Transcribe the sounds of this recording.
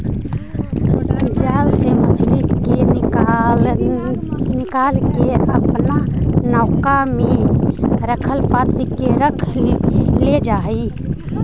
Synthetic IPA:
d͡ʒalseməd͡ʒlikke | nɪkalkeəpnanaʊkame | ɾəkʰəlpat̪ɾikeɾəkʰ | led͡ʒaɦi

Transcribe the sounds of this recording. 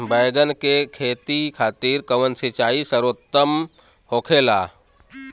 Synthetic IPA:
bəjɡənkekʰeːt̪ikʰaːt̪iːɾkəʋənsit͡ʃaːisəɾoːt̪ːəm | hoːkʰeːlaː

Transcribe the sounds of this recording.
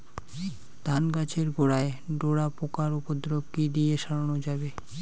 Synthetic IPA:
d̪̥ʱanɡat͡ɕʰeɾɡoɽaeɖoɽapokaɾupod̪ɾob̚kid̪ijeʃaɽanod͡ʑabe

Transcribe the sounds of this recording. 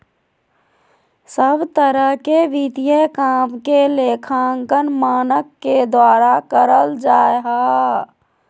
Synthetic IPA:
səbt̪əɾəɦkeʋit̪ijəkaːmkeleːkʰãːŋkənmaːnəkːed̪waːɾakəɾəld͡ʒaːeɦaː

